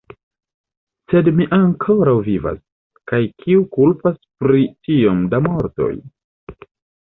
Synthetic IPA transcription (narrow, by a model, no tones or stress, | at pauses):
se̞dmiʔaŋkʰo̞ɾawviva̰s | kajkʰiukulpaspɾitio̞mdamo̞ɾto̞̰j